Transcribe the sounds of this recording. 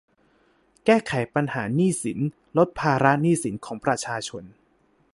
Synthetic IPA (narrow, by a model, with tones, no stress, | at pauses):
kɛː˥˩kʰa˨˩˦jpa˧nhaː˩˦niː˥˩si˩˦n | lo˦˥t̪̚pʰaː˧ɾa˦˥niː˥˩si˩˦nkʰɔː˩˦ŋpɾa˧t͡ɕʰaː˧t͡ɕʰo˧n